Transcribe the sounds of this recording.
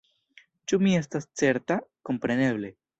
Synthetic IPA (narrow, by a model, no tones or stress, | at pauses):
t͡ʃumiest̪asseɾt̪akompɾeneβle